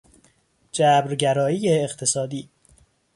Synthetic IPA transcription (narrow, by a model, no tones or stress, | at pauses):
d͡ʒæːbɾɟæɾɒːiːjeːχt̪ʰe̞sɒːd̪iː